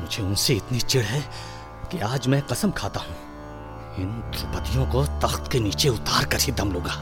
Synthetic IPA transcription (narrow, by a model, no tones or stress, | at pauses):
mʊd͡ʒʱeʊnseɪt̪nit͡ʃɪɽɦɛ | kiaːd͡ʒmɛ̃ːqɐsəmkʰaːt̪aɦũː | ɪnd̪ʰʱʊpət̪ijõkot̪ɐxt̪keniːt͡ʃeʊt̪aːɾkɐɾɦid̪ɐmloːɡaː